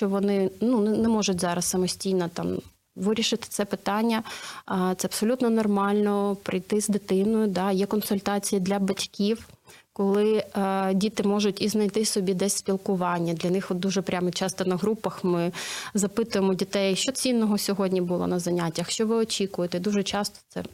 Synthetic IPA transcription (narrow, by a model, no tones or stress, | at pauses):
ʃt͡ʃɔʋɔnɪnunnɛmɔʒʊtʲzɑɾɐssɐmɔsʲtʲijnɔt̪ɑm | ʋɪɾʲiʃɪt̪ɪ̥t̪sɛpɪt̪ɑnʲːɐ | t̪sɛɐbpsɔlʲut̪nɔnɔrmɑlʲnɔpɾɪjt̪ɪzd̪ɪt̪ɪnʊjʊd̪ɑjɛkɔnsʊlʲt̪ɑt͡sʲijid̪lʲɐbɐtʲkʲiw | kɔlˠɪdʲit̪ɪmɔʒʊtʲiznɐjt̪ɪsɔbʲid̪ɛsʲsʲpʲilˠkʊʋɑnʲːɐd̪lʲɐnɪxɔd̪uʒɛpɾʲamɔt͡ʃɑst̪ɔnɐɦɾupɐxmɪzɐpɪt̪ʊjemɔdʲit̪ɛjʃt͡ʃɔt͡sʲinːɔɦɔsʲɔɦɔdʲnʲibʊlˠɔ̰nɐzɐnʲatʲːɐxʃt͡ʃɔʋɪɔt͡ʃʲikʊjet̪ɛd̪uʒɛt͡ʃɑst̪ɔ̥t̪sɛ̰